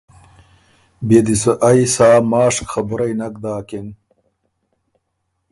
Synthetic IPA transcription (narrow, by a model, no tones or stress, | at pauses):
bed̪isəʔɐjsaːmaːʂkxɐbuɾɐjnɐk̚d̪aːken